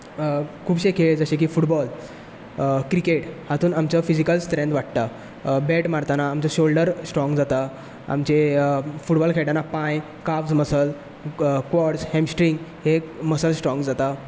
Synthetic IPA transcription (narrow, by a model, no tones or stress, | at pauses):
kʰuːbɕekʰeɭd͡zəɕek̬iːfuʈbɔl | kɾikeʈhat̪uːnamt͡ɕəfid͡ʑikəlst̪ɾẽnd̪ʋaʈ̚t̪a | beʈmaɾt̪anaːmt͡ɕəɕolɖəɾsʈɾɔ̃ŋɡd͡zat̪a | a̰mt͡ɕefuʈbɔlkʰeʈanapãj | kaʋd͡zməsəl | kʋɔʈshɛ̃msʈɾiŋɡɦeməsəlsʈɾɔ̃ŋɡd͡zat̪a